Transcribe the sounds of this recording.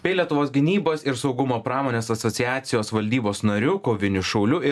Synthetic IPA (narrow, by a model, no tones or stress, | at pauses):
bʲɛɪlʲiɛt̪ʊʋoːsɡʲɪnʲiːboːsɪɾsɒʊɡʊmoːpɾɑːmoːnʲeːsɐt̪sɔt̪sʲɪjæːt̪sʲɪjoːsʋɐlʲd̪ʲiːboːsnɐɾʲuːkoːʋʲɪnʲʊʃɐʊlʲʊɪ